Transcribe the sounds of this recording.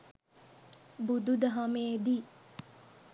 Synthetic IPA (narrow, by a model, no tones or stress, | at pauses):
bud̪ud̪əɦameːd̪i